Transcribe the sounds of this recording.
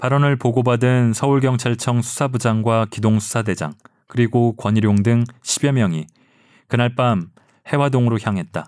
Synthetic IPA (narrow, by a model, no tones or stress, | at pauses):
paɾʌnɯɭpoɡobadɯnsʰʌuɭɡjʌŋt͡ɕʰaɭt͡ɕʰʌŋsʰu̥sʰabud͡ʑaŋɡwakidoŋsʰu̥sʰade̞d͡ʑa̰ŋ | kɯɾiɡokwʌɲiɾjoŋdɯŋɕʰibjʌmjʌŋi | kɯnaɭp͈am | he̞wadoŋɯɾoçjaŋɦe̞t̚t͈a